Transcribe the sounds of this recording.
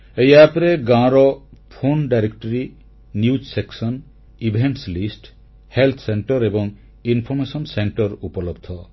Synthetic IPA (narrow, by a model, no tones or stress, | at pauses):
ejapɾeɡãɾɔpʰonɖajɾekʈɔɾi | njud͡ʒseksɔn | ibʱeɳʈslisʈ | helt̪ʰseɳʈɔɾebɔŋ | inpʰɔɾmesɔnseɳʈɔɾupɔlɔbd̪ʱɔ